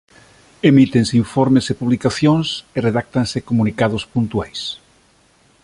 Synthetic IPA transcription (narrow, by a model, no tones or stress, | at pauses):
emit̪enseiɱfoɾmesepuβ̞likaθjoŋsereðak̚t̪ansekomunikaðospunt̪uajs